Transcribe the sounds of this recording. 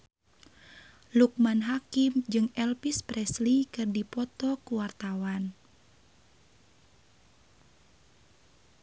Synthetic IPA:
luk̚manɦakimd͡ʒɨŋɛlpispɾɛslikɨrdipɔt̪ɔkuwart̪awan

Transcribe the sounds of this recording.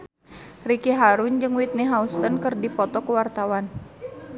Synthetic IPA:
rikiɦaɾuɲd͡ʒɨŋwit̪̚niɦaust̪ənkɨrdipɔt̪ɔkuwart̪awan

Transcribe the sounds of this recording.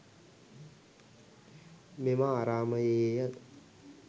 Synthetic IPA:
memaːɾaːmɐjejɐt̪

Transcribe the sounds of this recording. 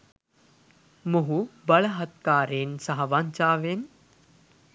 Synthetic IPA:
moɦubɐɭəɦɐt̪̚kaːɾeːnsɐɦɐʋaɲt͡ʃaːʋen

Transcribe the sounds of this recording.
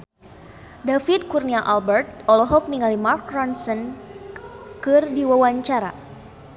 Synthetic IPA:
dafid̪̚kurniaʔalbɛrt̪̚ɔlɔɦɔk̚niŋalimarkransən | kɨrdiwawaɲt͡ʃaɾa̰

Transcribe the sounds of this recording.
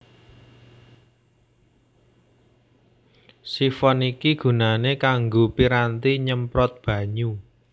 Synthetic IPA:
sifɔnikiɡ̥ṳnanekaŋɡopiɾant̪iɲəmpɾɔt̪̚b̥ä̤ɲu

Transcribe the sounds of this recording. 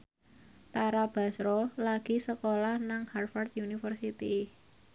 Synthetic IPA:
t̪aɾab̥a̤sɾɔlaɡ̥i̤səkolahnaŋharfard̪̚unifərsit̪i

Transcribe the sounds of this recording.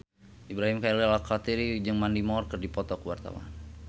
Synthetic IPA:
ʔibɾaɦimkalalakat̪iɾid͡ʒɨŋmandimɔrkərdipɔt̪ɔkəwart̪a̰wa̰an

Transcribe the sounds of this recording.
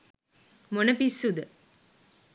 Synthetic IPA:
monɐpisːud̪ə

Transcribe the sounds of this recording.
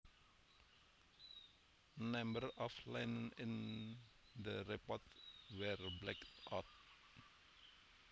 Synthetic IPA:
nɛmbəɾɑflæɪnənɪn | d̪əɾɛpɑt̪ʋæːɾblɛkt̪ʔɑt̪̚

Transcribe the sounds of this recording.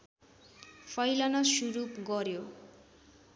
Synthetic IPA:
pʰʌjlʌnʌsuɾupɡʌɾjo

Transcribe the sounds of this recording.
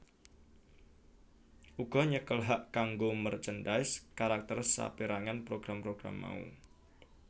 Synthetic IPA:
ʔuɡ̥ɔ̤ɲəkəlɦaʔkaŋɡomərt͡ʃəndaɪskaɾak̚t̪ərsa̰piɾaŋanpɾoɡ̥ɾampɾoɡ̥ɾa̰mːa̰ṵ

